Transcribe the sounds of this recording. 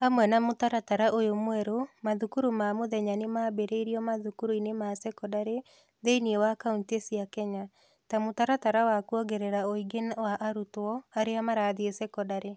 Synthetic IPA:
amwɛnamotaɾataɾaʔojomwɛɾomaðukuɾumamoðɛɲanemaːbeɾeiɾiɔmaðukuɾuinemasɛkɔdaɾe | ðeiniewakauntesiakɛɲa | tamotaɾataɾawakuɔɡeɾeɾaoiɡenwaʔaɾutɔaɾeamaɾaːðeesɛkɔdaɾe

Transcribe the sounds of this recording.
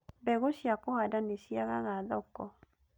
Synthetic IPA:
bɛɣoʃiakɔhadanisiaɣaɣaðɔkɔ

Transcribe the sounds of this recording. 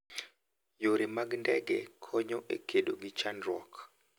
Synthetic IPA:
joɾimaɡndɛɡɛkʰɔɲɔʔḛkʰedoɡit͡ʃanɾwɔ̰k

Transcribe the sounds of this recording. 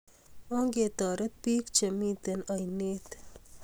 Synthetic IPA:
õŋɡeːt̪aːɾɐt̪̚piːkt͡ʃɐmĩːt̪ɐnɐjneːt̪

